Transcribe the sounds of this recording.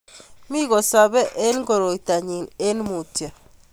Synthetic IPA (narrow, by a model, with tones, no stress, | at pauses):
mi˦ɣɔ˨sa˨βɛ˦ʔe˦nɡo˨ɾo˨i˨ta˨ɲi˨ne˦nmu˨tja˨